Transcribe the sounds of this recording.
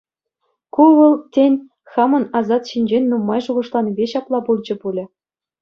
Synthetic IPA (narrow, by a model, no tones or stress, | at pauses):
kuʋɤ̆lˠtʲenʲ | xɑmɤ̆nɑzɑt̪ɕinʲd͡ʑenʲnumːɑjʐuʁɤ̆ʂlˠɑnbʲeɕɑplˠɑpulʲˠd͡ʑɤ̆pulʲɘ̆